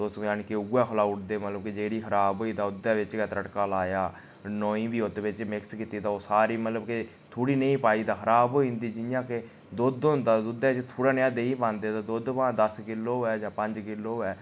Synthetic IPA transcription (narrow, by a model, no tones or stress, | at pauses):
t̪ʊsaːnkeʊɡaːkʰəlaːʊʈʰd̪eːmət̪ləbked͡ʒeːɾiːkʰəɾaːbɦoːiːd̪aːʊd̪ɛːʋɪt͡ʃkɛt̪ɾəʈkaːlaːjaː | noːĩːbiːoːt̪eʋɪt͡ʃmɪkskiːt̪iːd̪aːoːsaːɾiːmət̪ləbke | t̪ʰoːɽiːnəĩːpaːiːd̪aːxʰəɾaːboːĩːnd̪iːd͡ʒɪjãːke | d̪od̪ɦʊ̃nd̪aːd̪ʊd̪ɛːɪt͡ʃt̪ʰoːɽaːnɪjãːd̪eĩːpãːnd̪eːd̪aːd̪oːd̪pãːd̪əskɪlːoːɛːd͡ʒãːpə̃ɲd͡ʒkɪloːɛː